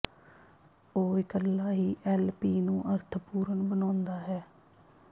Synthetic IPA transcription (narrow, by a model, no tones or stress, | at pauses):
oːɪkəlːaːɦiːʔɛːlpiːnũːʔəɾt̪ʰpuːɾənbənãːnd̪aːɦɛː